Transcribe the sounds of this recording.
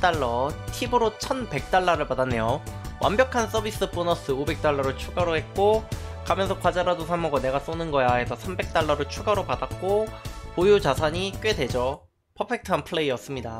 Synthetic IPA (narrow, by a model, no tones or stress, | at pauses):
t͈aɭːʌtʰibɯɾot͡ɕʰʌnbe̞k̚t͈aɭːaɾɯɭpadanːe̞jowʔa̰mbjʌkʰans͈ʌbis͈ɯp͈onʌs͈ɯobe̞k̚t͈aɭːʌɾɯɭt͡ɕʰuɡaɾohe̞t̚k͈okamjʌnsʰʌkwad͡ʑaɾadosʰamʌɡʌne̞ɡas͈onɯnɡʌjae̞sʰʌsʰambe̞k̚t͈aɭːʌɾoɭt͡ɕʰuɡaɾopadak͈opojut͡ɕasʰaɲik͈ɥe̞de̞d͡ʑo | pʰʌpʰe̞k̚tʰɯanpʰɯɭeiʌs͈ɯmɲida